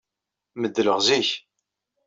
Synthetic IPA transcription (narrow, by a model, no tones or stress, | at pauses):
məd̪ːələʁziç